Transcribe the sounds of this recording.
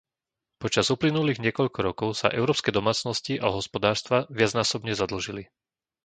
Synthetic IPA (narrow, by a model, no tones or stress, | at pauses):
pɔt͡ʃazuplinuliːɣɲɪɛkɔʎkɔɾɔkɔʊsa̰ʔɛʊɾɔːpskɛjd̪ɔmaːt͡snɔsciʔaɦɔspɔd̪aːɾst̪ʋaʋɪad͡znaːsɔbɲɛzad̪l̩ʒili